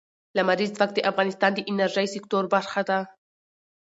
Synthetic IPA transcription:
lamaɾizvaxt̪d̪eʔafɣɑnɪst̪ɑnd̪eʔɪnaɾʒajsɪkt̪oɾbaɾxad̪a

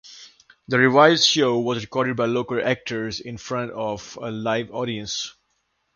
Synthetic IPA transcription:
d̪əɹivaɪzʃoʊwɔzɹɪkɔɾɪɖ̚baɪloʊkəlæk̚ʈʰə˞zɪ̃nfɹʌ̃ntɔvəlaɪvɔ̰ɾiə̃ns

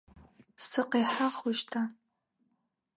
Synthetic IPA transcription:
sɨqeːħaχʊʃtʰa

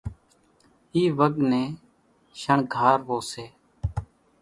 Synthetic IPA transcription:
iːʋəɠnẽː | ʃəɳɡʱaːɾʋoːseː

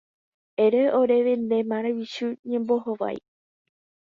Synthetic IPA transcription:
eɾeoɾeʋend̪emãɾawiʃuɲẽ̞mboɦoʋa̰j

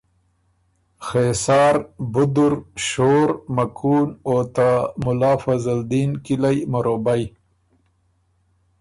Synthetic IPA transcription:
xesɑːɾbʊd̪ʊɾʃoːɾmakʰuːnot̪amʊlɑːfazald̪iːnkilajmaɾoːbaj

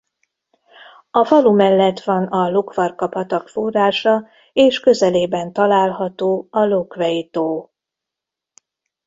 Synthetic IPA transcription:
ɒfɒlumɛlːɛt̪ʋɒnɒlokvɒrkɒpɒt̪ɒkforːaːʃɒ | eːʃkø̞zɛleːbɛnt̪ɒlaːlɦɒt̪oːɒlokʋɛjit̪oː

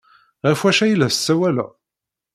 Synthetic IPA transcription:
ʁæfwæʃæjlːæssːæwælæ̰

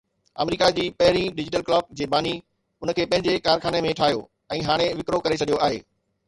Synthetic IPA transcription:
ɐ̰mɾiːkad͡ʑiːpɐɦɪɾ̃ĩɖɪd͡ʑɪʈəlklɔːk̚d͡ʑeːbaːni | ʊn̆kʰeːpɐ̃ɦɪ̃ɲd͡ʑekaːɾkʰaːnemẽʈʰaːjo̰ː | ɛ̃ːɦaːɽ̃eʋɪkɾokɐɾet͡ɕʰɐɗijoʔaːɦḛː

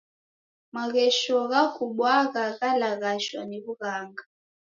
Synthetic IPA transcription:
maɣɛʃɔɣaɣuɓwaɣaɣalaɣaʃwaniβuɣaːŋɡa

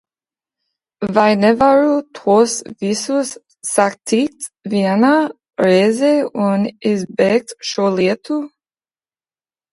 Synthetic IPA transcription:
vajnɛvaɹut̪ʰosvisusː | akt̪ʰik̚t̪viana | ɾeːzeunɪsbɛk̚t̪ʃoliət̪ʰu

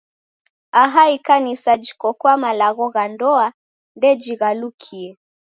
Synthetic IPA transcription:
aɦaikanisad͡ʒi̥kɔkwamalaɣɔɣandɔa | ndɛd͡ʒiɣalukʰiɛ

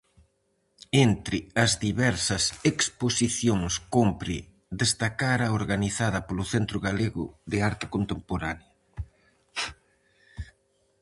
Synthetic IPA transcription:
ent̪ɾɪɐzðiβɛɾsɐseksposiθjoŋskompɾɪ | d̪est̪akaɾɐoɾɣaniθaðɐpolʊθent̪ɾʊɣaleɣʊ̰ðɪaɾt̪ɪ̥kont̪empoɾanjɐ

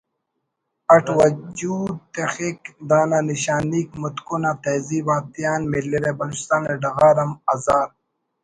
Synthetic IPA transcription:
ɐʈʰwɐd͡ʒuːd̪̚t̪exikd̪aːnaniɕaːniːkmut̪konat̪eziːbaːt̪ijaːnmilːiɾebɐloːt͡ɕi̥st̪aːneɖɐɣaːɾɐmɐzaːɾ

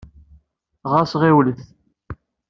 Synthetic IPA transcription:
ʁasʁewliθ

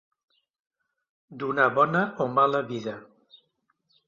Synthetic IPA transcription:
d̪unaβɔnəʔomaləβiðə

